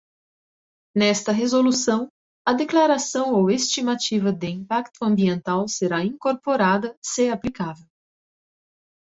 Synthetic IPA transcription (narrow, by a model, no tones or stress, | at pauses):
nɛst̪ɐɦezolusɐ̃w̃ | ɐd̪eklaɾasɐ̃w̃owest͡ʃimat͡ʃivɐd̪ɪĩmpakt̪ʊɐ̃mbiẽnt̪awseɾaĩŋkoɾpoɾad̪ɐseaplikavew